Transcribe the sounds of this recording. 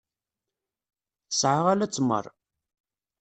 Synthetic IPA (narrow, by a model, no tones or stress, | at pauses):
θə̥sʕaʁalæt͡sːmə̰rˤ